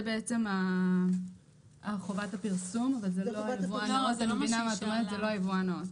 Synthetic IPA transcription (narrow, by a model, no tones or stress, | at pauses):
zebeet͡se̞ma | aχovatapiʁsumavalzeloajevuanaotamevinamaatomeʁetzelo̞ajevuaneot